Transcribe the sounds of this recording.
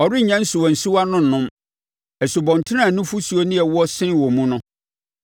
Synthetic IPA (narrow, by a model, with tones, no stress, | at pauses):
ɔ˨ɾɪ˦˨ɲã˦n̩˦sʊ˨wɔ˨n̩˨su˦wa˦nʊ̃˦˨nʊ̃˦m | ɛ˨sʊ˨bɔ̃˨n˨tʰɪ˦ã˦˨nʊ̃˦fu˦su˨o˦nɪ̃˦ɛ˨wɔ˦sɪ̃˦wɔ˨mũ˦nʊ̃˦